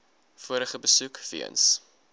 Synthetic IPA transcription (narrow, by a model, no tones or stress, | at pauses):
fuəɾəχəbəsukfḭə̰ns